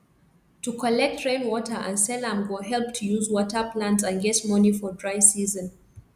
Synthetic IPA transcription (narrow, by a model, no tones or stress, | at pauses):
tukʰɔlɛk̚tʰɹẽnwɔtʰə˞ʔə̰̃nsɛlãmɡoɦɛlˠp̚tʰujuzwɔtʰəplãntsãnɡɛsmɔnifɔdɹaɪsizə̃n